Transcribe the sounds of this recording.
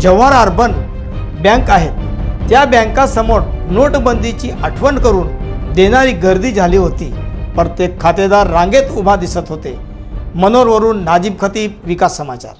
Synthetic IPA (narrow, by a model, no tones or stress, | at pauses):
d͡ʑəʋaɾaɾbʱən | bjãŋkaɦet̪ːjabjə̃ŋkãsəmoɽnoʈbənd̪ʱit͡ɕiːʔəʈʰʋənkəɾuːnd̪eɽ̃aɾiːɡəɾd̪ʱiːd͡zʱaliːɦot̪ḭːpəɾət̪jekʰːat̪ed̪aɾːãŋɡet̪ubʱad̪isət̪ɦot̪e | mənoɾʋəɾuːnːad͡ʑiːbkʰət̪iːb̚ʋikasːəmat͡ɕa̰ɾ